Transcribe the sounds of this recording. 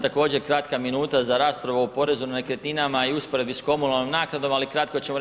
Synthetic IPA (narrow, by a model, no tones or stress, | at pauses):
t̪ako̞ːd͡ʑe̞ɾkɾat̪kaminuːt̪azaɾaːspɾaʋoopo̞ɾe̞zunanekɾet̪ninamaiuspo̞ɾe̞bisko̞munalnimnaːknad̪o̞malikɾat̪kot͡ɕemo